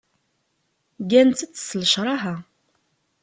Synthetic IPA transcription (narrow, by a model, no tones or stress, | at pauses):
ɡænt͡s̪ət͡sːsləʃɾˤɑɦæ